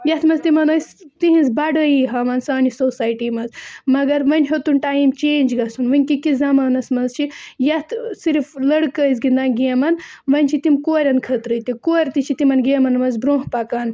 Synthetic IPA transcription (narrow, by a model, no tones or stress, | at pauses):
jɐt̪ʰmɐzt̪imɐnɐst̪iɦĩnzbɐɖəjiɦɐmɐnsaːnisoːsaːjʈiːmɐzmɐɡɐɾʋɐnʲɦot̪unʈaːjmt͡ʃeːnʲd͡ʒɡɐsunʋɨnʲkikizɐmɐːnɐsmɐnzt͡ʃʰijɐt̪ʰsiɾflɐɽkəizɡind̪aːnɡiɐmɐnʋɐnʲt͡ʃʰit̪imkoːɾʲɐnkʰɐt̪ɾɨt̪ikoːɾʲt̪it͡ʃʰit̪imɐnɡeːmɐnmɐzbɾõːɦpɐkaːn